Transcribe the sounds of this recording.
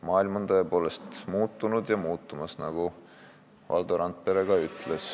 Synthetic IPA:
mɑːilmont̪oepo̞ːle̞st̪muːt̪ːˑunud̪jɑmuːt̪ːˑumɑsnɑɡ̥u | vʔɑ̰ld̪̥oɾɑnt̪̚pe̞ɾe̞ɡ̥ɑyt̪ˑles

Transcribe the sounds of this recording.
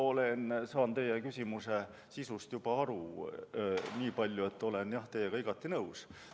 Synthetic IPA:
o̞lensɑːnt̪e̞jekysʲimuse̞ | sisust̪jub̥ɑɑɾu | niːpɑlʲjue̞t̪ːˑo̞le̞njɑht̪ejeɡ̥ɑiɡ̥ɑt̪ːinɤws

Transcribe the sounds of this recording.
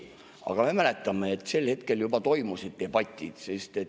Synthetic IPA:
ɑ̰ɡ̥ɑme̞mæle̞t̪ːˑɑmeːt̪ːˑse̞lhe̞t̪ke̞ljubɑt̪o̞jmusid̪̚d̪e̞b̥ɑt̪ʲːˑid̪̥sest̪e̞

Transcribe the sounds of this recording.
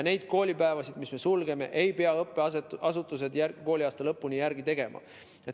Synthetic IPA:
ne̞jd̪̥̚ko̞ːlʲipæevɑsid̪̥misme̞sulɡ̥e̞me̞̰ʔejpe̞ɑɤpːˑeɑsut̪ːˑus̬e̞d̪jærɡko̞ːlʲiɑːst̪ɑlɤpːunijæɾɡ̥it̪e̞ɡ̥e̞mʔɑ̰ | et̪

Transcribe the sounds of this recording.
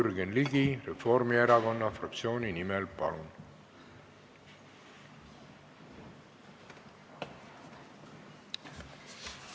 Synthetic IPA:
yrɡenliɡirefo̞rmieɾɑɡo̞nːɑfrɑ̰k̚t̪sio̞ːnʲinimɛlpɑ̰lun

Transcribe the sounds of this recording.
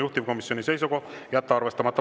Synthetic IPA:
juht̪ivko̞misːjo̞nise̞jsukojæt̪ːɑɑrve̞st̪ɑmɑt̪ːɑ

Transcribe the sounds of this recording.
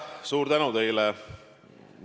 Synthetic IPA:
suːɾt̪ænut̪ejlɛ | n

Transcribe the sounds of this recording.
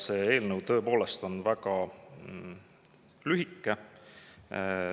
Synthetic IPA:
seːeːlnəwt̪ɤ̞epo̞ːle̞st̪o̞nvækɑ | lyɦikːˑe

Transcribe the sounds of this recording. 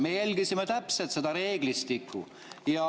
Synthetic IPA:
mejælʲɡisimet̪æpset̪se̞d̪̥ɑɾe̞ːɡ̥list̪ikːˑṵ | jɑ

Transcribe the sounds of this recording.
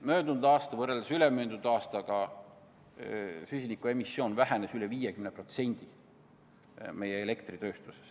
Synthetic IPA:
mø̞ːnd̪und̪̥ɑːst̪ɑvɤreld̪̥esylemøːnd̪und̪̥ɑːst̪ɑɡ̥ɑ | sysʲinikˑue̞misːjo̞ːnvæɦænesyleviːjekymnepro̞t̪se̞nʲd̪̥i | me̞jeele̞kt̪rit̪ø̞ːst̪uses

